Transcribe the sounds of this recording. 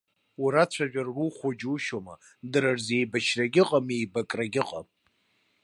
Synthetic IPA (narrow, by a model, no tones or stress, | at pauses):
wuɾat͡ɕʷʰaʒʷᶣarːuχʷod͡ʒuʃoma | dɨɾarze̞jbaʃʰraɡʲɪqʼamejbakʼraɡʲɪqʼa̰m